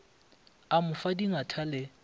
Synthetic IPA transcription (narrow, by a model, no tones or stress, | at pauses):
amʊfadiŋatʰalɪ